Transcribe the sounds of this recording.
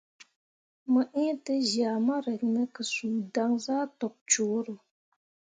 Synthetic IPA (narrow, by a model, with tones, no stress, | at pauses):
mɨ˨ʔi˦tɨ˦ʒaː˨ma˦ɾə˨knɨ˦kɨ˨suː˨da˦ŋzaː˦tɔ˨p̚t͡ʃoː˨˦ɾɨ˨